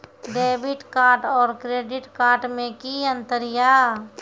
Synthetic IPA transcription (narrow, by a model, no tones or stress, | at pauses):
ɖeːbɪʈkaːɾʈɔːɾkɾeːɖɪʈkaːɾʈmẽkiə̃nt̪əɾɪjaː